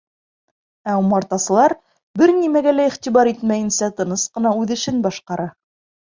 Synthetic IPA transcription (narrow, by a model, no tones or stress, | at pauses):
æumɑɾt̪ɑsɤ̆lˠɑɾ | bɘɾnimæɡælæiχt̪ʲiβɑɾit̪mæjɘ̆nsæt̪ɤ̆nɤsqɤ̆nɑʉðɘ̆ʃɘnbɑʃqɑɾɑ